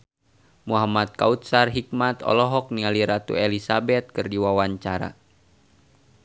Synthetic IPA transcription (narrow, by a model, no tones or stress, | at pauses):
muɦamat̪̚kaut̪̚sarɦik̚mat̪ɔ̰lɔɦɔk̚nialiɾat̪ṵelisabɛt̪̚kɨrdiwawaɲt͡ʃaɾa̰